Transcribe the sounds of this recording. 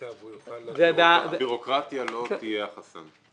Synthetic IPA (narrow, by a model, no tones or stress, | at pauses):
zɛd̪abiʁo̞kʁat̪jalo̞t̪ijeaχasa̰n